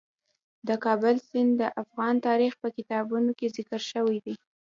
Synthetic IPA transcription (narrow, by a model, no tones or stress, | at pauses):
d̪əkɑbʊlsɪnd̪əʔafɣɑnt̪ɑɾixpəkɪt̪ɑbunokezɪkəɾʃəwijd̪i